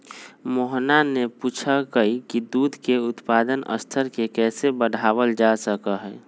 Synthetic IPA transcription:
moɦnanepuːt͡ʃʰakəikid̪uːd̪ʱkeʊt̪paːd̪ənə̰st̪ʰəɾkekɛːsebəɽʱaːʋəld͡ʒasəkəɦɛ

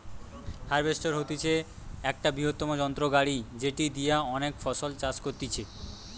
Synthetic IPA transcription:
haɾbesʈoɾɦot̪it͡ɕʰe | ɛk̚ʈabɾiɦot̪ːɔmod͡ʑɔnt̪ɾoɡaɽid͡ʑeʈid̪ijaɔnekfɔsolt͡ɕat͡ɕkoɾt̪it͡ɕʰe

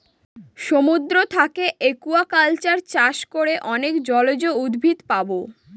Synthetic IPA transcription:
ʃomud̪ɾot̪ʰakeʔekuakalt͡ɕaɾt͡ɕaʃkoɾeʔɔnekd͡ʑɔlod͡ʑoud̪bʱit̪pabo

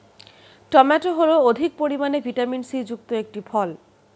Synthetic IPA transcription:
ʈɔmɛʈoɦolood̪ʱik̚poɾimanebʱiʈaminsid͡ʑuk̚t̪oek̚ʈifʰɔl

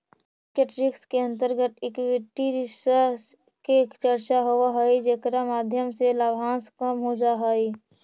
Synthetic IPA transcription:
keʈɾɪkskeə̃nt̪əɾɡət̪ɪkʋɪʈːiɾɪsə | kekt͡ʃəɾt͡ʃaɦowaɦəid͡ʒeːkɾamaːd̪ʱjəmselabʱãːnskamud͡ʒaɦəi

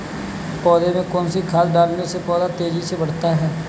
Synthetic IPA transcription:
pɔːd̪eːmẽːkoːnsiːkʰaːlbaːɾnoːseːpɔːd̪aːt̪eːd͡ʒiːseːʋəɽt̪aːɦɛː

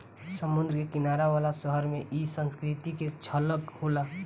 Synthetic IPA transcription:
səmʊnd̪ɾəkekinaɾaʋalasəɦəɾmeʔisə̃nskɾit̪iket͡ʃʰələkhola

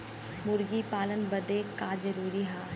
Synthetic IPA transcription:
mʊɾɡipaːlənbɐd̪ekad͡ʒɐɾuːɾiɦaː

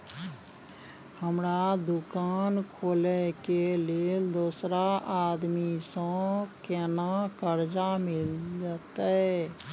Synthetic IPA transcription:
həmɾad̪ukankʰolɛəkeleld̪osɾaʔad̪misə̃kɛnakəɾd͡ʒamild͡ʒət̪ə

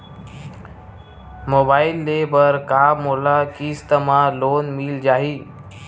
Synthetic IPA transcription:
mobaːɪlːebəɾkaːmolakiːst̪əmãloːnmild͡ʒaːɦiː

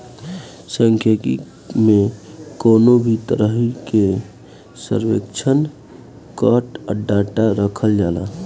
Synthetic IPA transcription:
səŋkʰjəkḭ | mekonobʱit̪əɾəɦike | sə̰ɾwḛkt͡ʃʰən | kəʈəɖaʈaɾəkʰəld͡ʒaːla̰

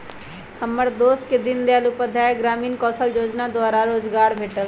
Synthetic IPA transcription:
həməɾd̪oːsked̪ɪnd̪ejaːlupəd̪ʱaːɡɾaːmiːnkɔːsəld͡ʒoːd͡ʒnaːd̪ʊwaːɾaɾoːd͡ʒɡaːɾbʱeːʈəl

